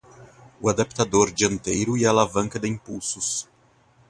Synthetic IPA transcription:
ʊad̪apt̪ad̪oɾd͡ʒiɐ̃nt̪ejɾʊialavɐ̃ŋkɐd̪ɪĩpuwsʊs

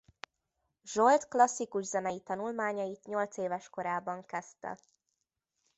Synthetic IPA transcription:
ʒo̞lt̪klɒsːikuʒzɛnɛjit̪ɒnulmaːɲɒjit̪ɲo̞lt̪seːvɛʃko̞ɾaːbɒŋkɛst̪ɛ̰

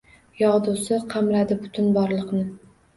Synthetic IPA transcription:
jɒʁd̪ʊsɪqʰɑmɾad̪ɪbʊt̪ʰʊnbɒɾlˠɨqnɪ

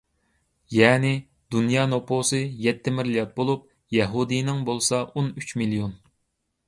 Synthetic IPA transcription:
jɛːnɪ | d̪unjɑːnopʰosɨjɛt̪ʰːɪmɪɾlijɑt̪̚bolˠup̚ | jɛɦud̪inɪŋbolˠsɑonyt͡ʃmilijon

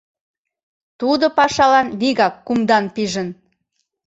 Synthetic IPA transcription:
t̪ud̪opɑʃɑlɑnβiɣɑkːumd̪ɑnpiʒən

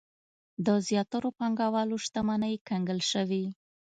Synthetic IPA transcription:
d̪əzjɑt̪aɾopɑŋɡɑwɑloʃt̪amanəjkaŋɡəlʃəwi

